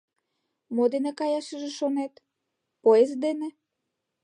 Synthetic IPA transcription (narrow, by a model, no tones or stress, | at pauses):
mod̪enekɑjaʃəʒeʃonet̪ | poezd̪ene